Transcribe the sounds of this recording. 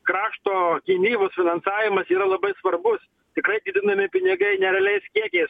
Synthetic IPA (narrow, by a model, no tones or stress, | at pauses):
kɾɑːʃt̪oːkʲɪnʲiːʋʊsfʲɪnɐnsɑːʋʲɪmɐsiːɾɐlˠɐbɐɪsʋɐɾbʊs | t̪ʲɪkɾɐɪd̪ʲiːd̪ʲɪnɐmʲɪpʲɪnʲɪɡɐɪnʲɛɾʲɛlʲɛɪskʲiɛkʲɛɪs